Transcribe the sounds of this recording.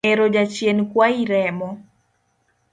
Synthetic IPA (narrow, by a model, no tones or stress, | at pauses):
eɾod͡ʒat͡ʃjenkwaiɾɛmɔ